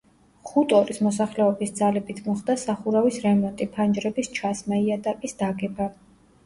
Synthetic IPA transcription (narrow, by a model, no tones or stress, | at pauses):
χut̪ʼɔɾismɔsaχlɛɔbisd̪zalɛbit̪ʰmɔχd̪asaχuɾavisɾɛmɔnt̪ʼipʰand͡ʒɾɛbist͡ʃʰasmaiat̪ʼakʼisd̪̥aɡɛba